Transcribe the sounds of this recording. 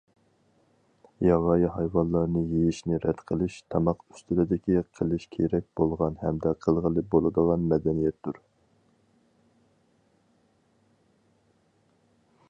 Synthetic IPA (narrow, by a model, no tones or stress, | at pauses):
jɑʁɑjɦɑjwɑnlˠɑɾnɨjejiʃnɪɾɛd̪̥qʰəlˠɨʃt̪ʰɑmɑqy̥st̪ylɪd̪ɪkʲiqʰəlˠɨʃkʲʰeɾɛk̚ʲbolˠʁɑnhɛmd̪ɛqʰəlˠʁəlˠɨp̚bolˠɨd̪əʁɑnmɛd̪ɛnijɛt̪d̪uɾ